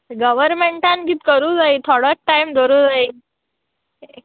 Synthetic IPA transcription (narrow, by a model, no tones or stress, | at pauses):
ɡəʋəɾmeɳʈãnkiːt̪kəɾuːd͡zait̪ʰoɽək̚ʈːaimd̪ʱoɾuːd͡zai